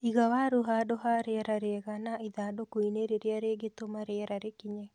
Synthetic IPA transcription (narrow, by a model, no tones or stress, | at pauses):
iɣawaɾuɦadoɦaɾeɾaɾeɛɣanaiðadokoineɾeɾeaɾeːɡet̪omaɾeɾaɾekiɲɛ